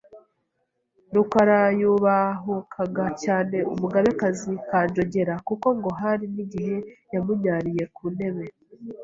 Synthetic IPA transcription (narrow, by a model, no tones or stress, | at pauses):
nukaɾajuβaɦukʰaɡacaːne̞umuɡaβe̞kazikaːnd͡ʒo̞ɟe̞ɾakuko̞ŋɡo̞ɦaɾiniɟiɦe̞jamuɲaːɾije̞kune̞βe̞